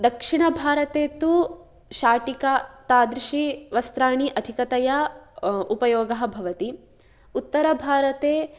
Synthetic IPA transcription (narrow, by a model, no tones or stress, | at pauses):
d̪ɐkʂiɳɐbʱaːɾɐt̪eːt̪u | ʃaːʈikat̪aːd̪ɾiʃiʋɐst̪ɾaːɳiʔɐd̪ʱikɐt̪ɐja | upɐjoːɡɐɦɐbʱɐʋɐt̪i | ut̪ːɐɾɐbʱaːɾɐt̪eː